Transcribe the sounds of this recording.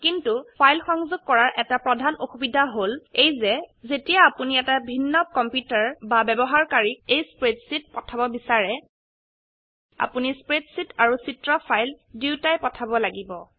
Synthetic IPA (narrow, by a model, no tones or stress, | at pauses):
kintupʰajlxɔŋzʊɡ̚kːɔɹaɹʔɛtapɹɔdʱanoxubidʱaɦolejzɛzetijaːpuniɛtabʱinːɔkɔmpjutaɹbabɛbɔɦaɹkaɹik̚ejspɹedsit̚pɔtʰabɔbisaɹɛ | a̰punispɹedsitaɹusitɹɔpʰajl | diʊtajpɔtʰabɔlaɡibɔ